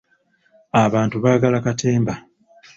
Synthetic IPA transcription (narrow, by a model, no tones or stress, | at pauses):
aβaːntuβaːɡalakatʰe̞ːmba